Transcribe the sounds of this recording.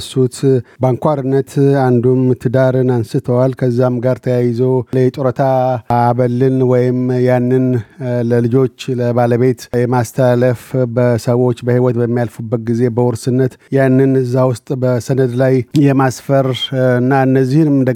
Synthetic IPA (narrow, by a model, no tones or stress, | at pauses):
sut̪baŋkʷaɾɨnːət̪and̪umt̪ʰɨd̪aɾɨnansɨt̪ʰəwalkʰəzːamɡaɾt̪ʰəjajɪzowljɛt͡ʃʼuɾət̪ʰaːβəlɨnwɔjɪmjanːɨnləlɨd͡ʒo̞t͡ʃːləβaləβe̞t̪jɛmast̪ʰəaləfbəsəwo̞t͡ʃːbəhiwɔt̪bəmːijalfubːət̪̚ɡize̞bəwɔɾsɨnːət̪janːɨnɨzːawʊst̪ʼbəsənəd̪lajjɛmasfəɾɨnːaɨnːəzːihɨnmɨd̪ə